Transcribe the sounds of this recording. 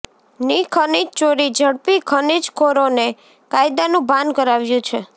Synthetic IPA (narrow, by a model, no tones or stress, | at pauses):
nikʰənid͡ʒt͡ʃoɾid͡ʒʱəɽpikʰənid͡ʒkʰoɾone | kajd̪anũbãnd̪kəɾaʋjũt͡ʃʰe